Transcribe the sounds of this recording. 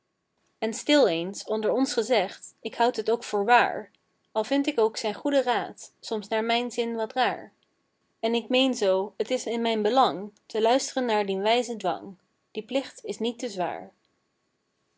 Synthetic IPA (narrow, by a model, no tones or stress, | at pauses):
ɛnstɪlˠejnsɔndəɹɔnsχəzɛχtɪkɦʌwtɦətowkfʊːɹʋa̰ːɹ | ɑlˠvɪntɪkowksɛjnχudəraːtsɔmsnaːɹmɛjnzɪnʋɑtraːɹ | ɛnɪkmejnzowɦətɪsɪnmɛjnbəlɑŋtəlœɥstərənːaːɹdinʋɛjzədʋɑ̰ŋ | d̥iplɪχtɪsnitəzʋa̰ːɹ